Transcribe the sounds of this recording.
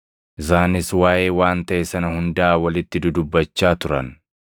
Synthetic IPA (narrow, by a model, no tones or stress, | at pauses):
ʔɪsaːnɪswaːjeːwaːnt̪ɐʔɛsɐnɐhʊnd̪aːwɐlɪt̪ːɪd̪ʊd̪ʊbːɐt͡ʃːaːt̪ʊɾɐ̰n